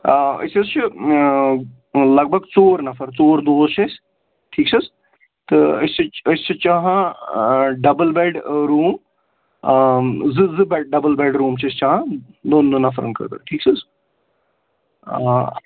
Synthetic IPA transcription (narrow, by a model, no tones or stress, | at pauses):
ə̰sest͡ʃʰi | lɐɡ̚bʱɐɡt͡soːɾnɐfɐɾt͡soːɾd̪oːzt͡ʃʰes | ʈʰiːksɐs | t̪ɨəst͡ʃiəst͡ʃʰit͡ʃaɦã | ɖɐbəlbeːɖɾuːm | zɨzɨbɛɖɐbəlbeːɖɾuːmt͡ʃʰɐst͡ʃaːɦã | d̪oːnd̪oːnɐfʰɾɐ̰nkɐ̰ɾt̪ə̰ʈʰiːksʰɐz